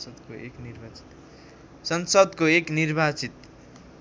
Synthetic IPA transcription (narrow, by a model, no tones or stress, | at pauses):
sʌd̪koḛknirbʱat͡si̥t̪ | sʌnsʌd̪koeknirbʱat͡sit̪